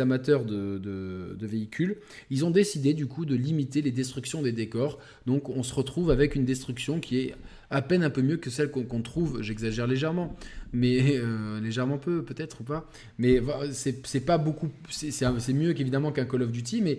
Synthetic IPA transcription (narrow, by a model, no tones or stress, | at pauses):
amat̪œʁd̪əd̪əd̪əveikʲʰyl | ilzɔ̃d̪esid̪ed̪ykud̪əlimit̪eled̪ɛst̪χyksjɔ̃d̪ed̪ekɔʁ | d̪ɔ̃kɔ̃səʁət̪χuvavɛkynd̪ɛst̪χyksjɔ̃kʲiɛ | apɛnɛ̃pømjøkəsɛlkɔ̃kɔ̃t̪χuvʒɛɡzaʒɛʁleʒɛʁmɑ̃mɛøleʒɛʁmɑ̃pøpøt̪ɛt̪χupa | mɛvasɛsɛpabokusɛsɛɛ̃sɛmjøkevid̪amɑ̃kɛ̃kɔlɔfd̪yt̪̬imɛ